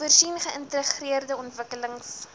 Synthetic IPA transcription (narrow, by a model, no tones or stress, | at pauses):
ərsinχəʔəntəχriərdəɔntvəkələŋs